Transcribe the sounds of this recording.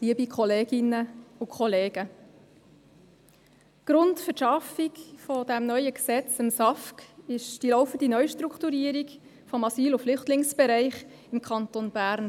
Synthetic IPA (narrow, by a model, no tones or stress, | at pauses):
liəbikʰɔleːɡ̥ɪnəʊkχɔleːɡə | ɡ̥ɾʊntfəʃɑfikfɔdæmnœʏəksɛt͡səmsɑfkɪʃd̥ilɔʊfəndinœʏʃtɾuktuɾiːəɾik | fɔmɑsyːlʊflʏχtlɪŋsb̥ɛɾɛɪχ | ɪmkʰχɑntonb̥æːɾn